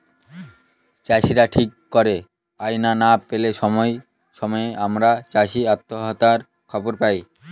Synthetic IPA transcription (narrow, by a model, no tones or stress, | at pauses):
t͡ɕaʃiɾaʈʰikːoɾe | ajnanapeleʃɔmɔe | ʃɔmɔeamɾat͡ɕaʃiat̪ːoɦat̪aɾ | kʰɔboɾpaj